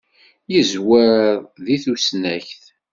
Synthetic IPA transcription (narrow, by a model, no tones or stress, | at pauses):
jəzwəððiθusnæçθ